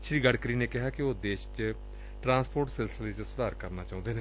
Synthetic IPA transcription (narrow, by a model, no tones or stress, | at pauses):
ʃɾiːɡəɽkɾiːneːkɪɦaːkɪoːd̪eːʃt͡ʃ | ʈɾãːspʰoːɾʈsɛlsəleːt͡ʃsʊd̪aːɾkəɾnaːt͡ʃaːʊ̃nd̪eːneː